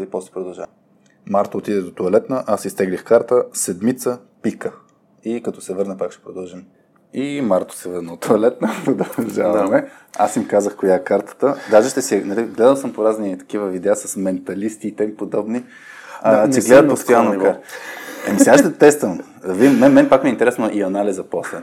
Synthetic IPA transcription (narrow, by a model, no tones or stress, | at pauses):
d̪ipɔst̪ɛ̥pɾod̪ɐlˠʒa̰vɐ | maɾt̪oːt̪id̪ɛd̪ot̪oɐlɛt̪nəʔasist̪ɛɡlixkaɾt̪əsɛd̪mit̪sə | pikə | ikɐt̪ɔsɛvɤɾnəpakʃt̪ɛ̥pɾod̪ɐlˠʒim | imaɾt̪o̥sɛvɤɾnəot̪ʰoɐlɛt̪nəpɾod̪əɐlˠʒavɐmɛ | a̰simkazəxkojaɛkaɾt̪ə̥t̪əd̪aʒɛʃt̪ɛsɛnɛlɛɡlɛd̪əlˠsəmpoɾaznit̪ɐ̥k̟ivəvid̪ɛasɐsmɛnt̪ɐlist̪iːt̪ɛmipod̪ɔbni | ɛɡlɛd̪ət̪post̪jalˠnikaɾɐmisɛaʃt̪ɛt̪ɛst̪əm | vimmɛnmɛnpakmɛint̪ɛɾɛsnoʔiɐnalizɐpɔslɛ